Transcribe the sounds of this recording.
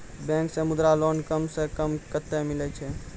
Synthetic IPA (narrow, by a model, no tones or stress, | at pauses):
bɛ̃ŋksẽmud̪ɾalonkəmsekəmkət̪ːemilɛt͡ʃʰɛ